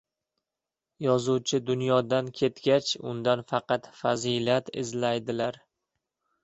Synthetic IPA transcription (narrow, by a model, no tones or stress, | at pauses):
jɒzuwt͡ʃʰɪd̪ʊnjɒd̪ankʲʰe̞t̪ɡʲat͡ʃʊ̰nd̪anfɑqʰɑt̪fazilat̪ɪ̰zlajd̪ɪlaɾ